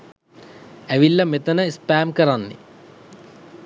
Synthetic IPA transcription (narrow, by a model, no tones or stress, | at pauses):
æʋilːɐmet̪ənəispæːmkəɾanːḛ